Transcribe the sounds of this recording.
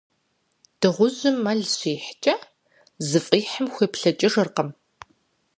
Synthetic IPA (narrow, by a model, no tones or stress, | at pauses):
d̥ɨʁʷʊzɨmːɐɮɕeːħt͡ʃʼɐ | zɨfʼiːħəmxʷeːpɬɐt͡ʃʼɪʐɐrqɐm